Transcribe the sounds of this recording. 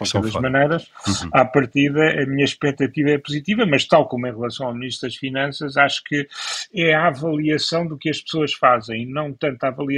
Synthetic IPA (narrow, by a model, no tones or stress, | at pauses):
ɔseðɐʒmɐnɐjɾɐʃapɐɾt̪iðɐʔɐmiɲɐʃpɛk̚t̪ɐt̪ivɐɛpuzit̪ivɐmɐʃt̪alˠkomuẽʁlˠɐsɐ̃w̃awmniʃt̪ɾðɐʃfinɐ̃sɐʃaʃu̥kɨɛavɐlˠiɐsɐ̃w̃d̪ukɨɐʃpɨ̥soɐʃfazẽj̃inɐ̃w̃t̪ɐ̃nt̪avɐlˠiɐ